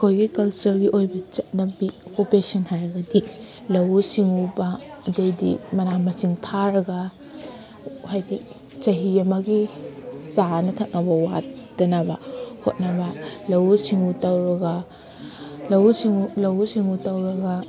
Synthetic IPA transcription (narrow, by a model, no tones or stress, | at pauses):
kʰojɡikɐlt͡ʃɐɾɡiʔojbɐt͡ʃɐt̚nɐbiokupesɐnhaɾɐɡɐdi | lɐwsiŋubɐːdejdḭmɐnamɐsiŋtʰaɾɐɡɐ | hajdi | t͡ʃɐɦiɐmɐɡisanɐtʰɐk̚nɐbɐwa̰t̚d̥ɐnabɐho̰t̚nɐbɐlɐwsiŋutɐwɾɐɡɐ | lɐwsiŋulɐwsiŋutɐwɾɐɡɐ